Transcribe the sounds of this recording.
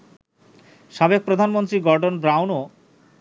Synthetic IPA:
ʃabek̚pɾod̪ʱanmont̪ɾiɡɔɾɖonbɾawno

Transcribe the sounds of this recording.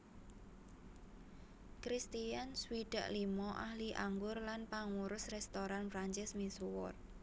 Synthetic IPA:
kɾist̪ianswiɖ̥a̰ʔlimɔʔahliʔaŋɡʊrlanpaŋuɾʊsrɛst̪oɾanfɾaɲt͡ʃɛsmisuwɔ̰r

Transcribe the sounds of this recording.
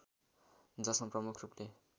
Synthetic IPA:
d͡zʌsmaprʌmukʰruple

